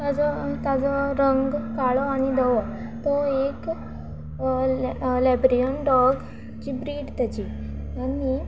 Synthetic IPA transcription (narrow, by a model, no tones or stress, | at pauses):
ad͡zɔt̪ad͡zɔɾəŋɡkaɭɔaɽ̃id̪əʋɔ | t̪ɔek | lɛbɾiəɳɖɔɡ | d͡ʑibɾiːɽt̪jat͡ɕi | ani